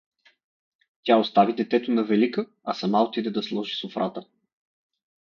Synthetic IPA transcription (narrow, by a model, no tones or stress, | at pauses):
t̪ʲaost̪avid̪ɛt̪ɛt̪onɐvɛlikə | ɐsɐmaot̪id̪ɛd̪ɐslˠɔʒisʊfɾʔat̪ə